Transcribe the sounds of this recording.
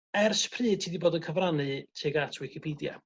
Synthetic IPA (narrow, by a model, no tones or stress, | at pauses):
ɛrspʰrɨːd̚tʰiːdiboːdənkʰəvranɨtʰiːɡatʰwɪkʰɪpʰiːdja̰